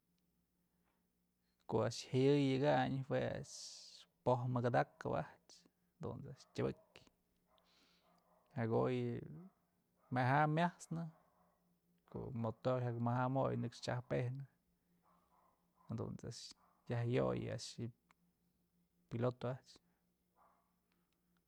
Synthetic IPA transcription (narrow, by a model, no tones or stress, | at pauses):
koʔaʔʂhajɨjɨɡaɲhwea̰ʔʂpohmɨɡad̪akːɨba̰ht͡ʃ | d̪ṵnt͡saʔʂtʲabɨkʲ | haɡoj | meɦamʲjahsnɨ | kʰo̰ʔmot̪ohakmahamojnɨkʂt͡ʃahpehnɨ | had̪ṵnt͡sa̰ʔʃ | jahjo̰j̰a̰ʔʂɨ | pilot̪oaʔt͡ʃ